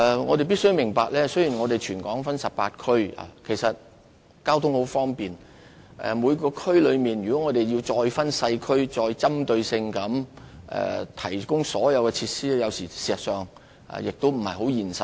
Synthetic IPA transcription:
ŋɔː˨˧ɾe˨jpi˥tsɵ˥jmɪ˨˩ŋpaː˨k̚lɛː˥sɵ˥ɥji˨˩nŋɔː˨˧d̪e˨jt͡ʃʰyː˨˩nkɔː˨˥ŋfɐ˥nsɐ˨p̚paː˧t̚kʰɵ˥ɥa̰˨kʰe˨˩jsɐ˨t̚ | kaː˥wt̪ʰʊ˥ŋho˨˥wfɔː˥ŋpiː˨n | ʔɛ̰˨muː˨˧jkɔː˧kʰɵ˥ɥlɵ˨˧ɥmiː˨˩njy˨˩kɔː˨˥ŋɔː˨˧t̪e˨jji˧wt͡sɔː˧jfɐ˥nsɐ˧jkʰɵ˥ɥt͡sɔː˧jt͡sɐ˥mt̪ɵ˧ɥsɪ˧ŋkɐ˨˥mʔɛ̰˨t̪ʰɐ˨˩jkʊ˥ŋsɔ̰ː˨˥jɐ˨˧wkɛ˧t͡sʰiː˧t̚siː˥jɐ˨˧wsiː˨˩siː˨˩sɐ˨t̚sœː˨ŋ | a̰˨jɪ˨k̚t̪o˥wm̩˨˩hɐ˨jɦo˨˥wjiː˨˩nsɐ˨˩t̚

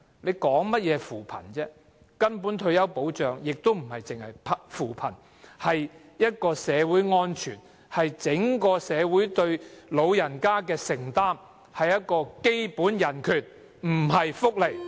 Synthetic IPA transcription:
le˨˧jkɔː˨˥ŋmɐ˥t̚jɛː˨˧fuː˨˩pʰɐ̰˨˩nt͡sɛː˥ | kɐ˥npuː˨˥nt̪ʰɵ˧ɥjɐ˥wpo˨˥wt͡ʃœː˨ŋjɪ˨k̚t̪o˥wm̩˨˩hɐ˨jt͡sɪ˨ŋhɐ˨jpʰfuː˨˩pʰɐ˨˩n | hɐ˨j | jɐ˥t̚kɔː˧sɛː˨˧wuː˨˥jŋɔː˥nt͡ʃʰyː˨˩n | hɐ˨jt͡sɪ˨˥ŋkɔː˧sɛː˨˧wu˨˥jt̪ɵ˧ɥlo˨˧wjɐ˨˩nkaː˥kɛː˧sɪ˨˩ŋt̪aː˥m | hɐ˨jɐ˥t̚kɔː˧ke˥jpuː˨˥njɐ˨˩nkʰyː˨˩t̚ | m̩˨˩ɦɐ˨jfʊ˥k̚le˨˩j

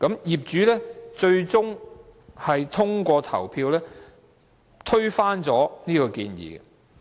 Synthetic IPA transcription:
kɐ˨˥mjiː˨p̚t͡ʃyː˨˥lɛː˥t͡ʃɵ˧ɥt͡sʊ˥ŋ | hɐ˨jt̪ʰʊ˥ŋkʷɔː˧t̪ʰɐ˨˩wpʰiː˧wlɛː˥ | t̪ʰɵ˥ɥfaː˥nt͡sɔː˨˥niː˥kɔː˧kiː˧njḭː˨˩ɡɛ˧

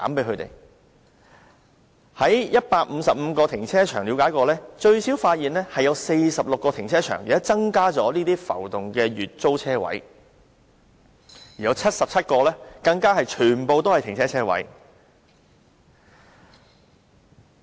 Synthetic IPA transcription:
mpe˨˧˥jʰkɵ˨˧t̪ḛ˨˩j | hɐ˨˥jjɐ˥t̚paː˧k̚m̩˨˧sɐ˨p̚m̩˨˧kɔː˧t̪ʰɪ˨˩ŋt͡sʰɛː˥t͡ʃʰœ̰ː˨˩ŋli˨˥wkaː˨˧˥jkɔː˧lɛː˥t͡ʃɵ˧ɥsiː˨˥wfaː˧t̚jiː˨nlɛː˥hɐ˨jɐ˨˧wse˧jsɐ˨p̚lʊ˨kːɔː˧t̪ʰɪ˨˩ŋt͡sʰɛː˥t͡ʃʰœ̰ː˨˩ŋjḭː˨ɐ˥t͡sɐ˥ŋkaː˥t͡sɔː˨˥liː˥t̪iː˥fɐ̰˨˩wt̪ʊ˨ŋkɛː˧ɥyː˨t̚t͡so˥wt͡sʰɛː˥wɐ̰˨˥j | jiː˨˩jɐ˨˧wt͡sʰɐ˥t̚sɐ˨p̚t͡sʰɐ˥t̚kɔː˧lɛː˥kɐ˧ŋkaː˥hɐ˨jt͡ʃʰyː˨˩npo˨˧wt̪o˥whɐ˨jt̪ɪ˨˩ŋt͡sʰɛː˥t͡sʰɛː˥wɐ̰˨˥j

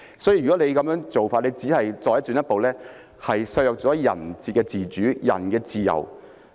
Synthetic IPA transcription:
sɔː˨˥jiː˧ɥyː˨˩kɔ˨˥le˨˧jkɐ˨˥mjœː˥ŋt͡so˨wfaː˧le˨˧jt͡siː˨˥ɦɐ˨jt͡sɔː˧jɐ˥t̪ːyː˨˥njɐ˥t̚po˨wlɛː˥ | hɐ˨jsɐ˧jɔ˨k̚t͡sɔː˨˥jɐ̰˨˩nt͡siː˨t̚kɛː˧t͡siː˨t͡ʃyː˨˥jɐ̰˨˩nkɛː˧t͡siː˨jɐ̰˨˩w

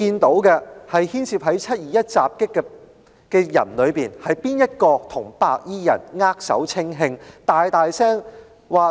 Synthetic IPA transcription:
kiː˧nt̪o˨˥wkɛ˧hɐ˨jhiː˥nsʰiː˧p̚ɦɐ˨˥jt͡sʰɐ˥t̚jiː˨jɐ˥t̚t͡saː˨p̚kɪ˥kːɛ˧ | kɛː˧jɐ̰˨˩nlɵ˨˧ɥpiː˨nhɐ˨jpiː˥njɐ˥t̚kɔː˧t̪ʰʊ˨˩ŋpa̰ː˧k̚jiː˥jɐ̰˨˩nŋaː˥k̚sɐ̰˨˥wt͡sʰɪ˥ŋɦɪ˧ŋt̪aː˨jt̪aː˨jsɛː˥ŋ | waː˨

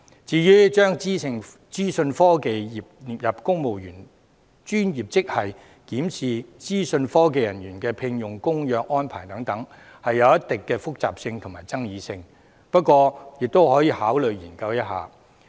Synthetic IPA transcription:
t͡siː˨˧jyː˥t͡ʃœː˥ŋi˥ɪ˨˩ŋ | t͡siː˥sɵ˧nfɔː˥ke˨jiː˨p̚niː˨˩p̚jɐ˨p̚kʊ˥ŋmo˨wjyː˨˩n | t͡ʃyː˥njiː˨˩p̚t͡sɪ˥k̚hɐ˨j | kiː˨˥msiː˨t͡siː˥sɵ˧nfɔː˥k̬e˨jɐ˨˩nɥyː˨˩nkɛː˧pʰɪ˧ŋjʊ˨˩ŋkʊ˥ŋjœː˨k̚ʔɔː˥npʰaː˨˩jt̪ɐ˨˥ŋt̪ɐ˨˥ŋ | hɐ˨jːɐ˨˧wjɐ˥tt̪ɪ˨kːɛː˧fʊ˥k̚t͡sa̰ː˨p̚sɪ˧ŋt̪ʰʊ˨˩ŋmaː˨˩jt͡sɐ˥ŋjiː˨˧sɪ˧ŋ | pɐ˥t̚kʷɔː˧jɪ˨k̚t̪o˥whɔː˨˥jiː˨˧haː˨˥wlɵ˨ɥjiː˨˩nkɐ˧wjɐ˥t̚ɦa̰ː˨

